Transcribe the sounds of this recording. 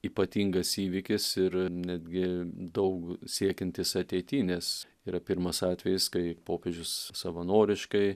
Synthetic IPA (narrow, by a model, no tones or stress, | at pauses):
iːpɐt̪ʲiŋɡɐsiːʋʲikʲɪsɪɾnʲæːd̪ʲɡʲɪd̪ɐʊksʲiɛkʲɛnʲt̪ʲɪsɐt̪ʲeɪt̪ʲiːnʲɛs | iːɾɐpʲɪɾmɐsɑːt̪ʲʋʲɛjɪskɐɪpoːpʲeːʒʲʊssɐʋɐnoːɾʲɪʃkɐɪ